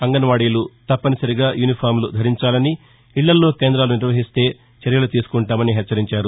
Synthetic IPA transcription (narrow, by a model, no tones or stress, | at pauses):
ɐŋɡɐnʋaːɽilut̪ɐpːɐnisɐɾiɡaːjʔuːnipʰaːɾmlud̪ʱɐɾiɲt͡ʃaːlɐni | iɭːɐlːo̞ːke̞ːnd̪ɾaːluniɾʋɐɦist̪e̞ː | t͡ʃɐɾjɐlut̪iːsu̥kuɳʈaːmɐniɦɛt͡ʃːɐɾiɲt͡ʃaːɾu